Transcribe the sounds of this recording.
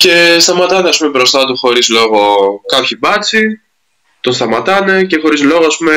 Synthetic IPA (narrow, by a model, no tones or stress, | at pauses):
ce̞st̪ɐmɐt̪ɐneɐspume̞bɾo̞st̪ɐt̪uxo̞ɾizlo̞ɣo̞kɐpçibɐt͡si | t̪o̞nst̪ɐmɐt̪ɐne̞ce̞xo̞ɾizlo̞ɣoɐspume